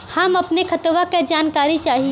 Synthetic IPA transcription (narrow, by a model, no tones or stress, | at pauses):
hɐmɐpnekʰɐt̪ʋaked͡ʒaːnkaːɾit͡ʃaːɦi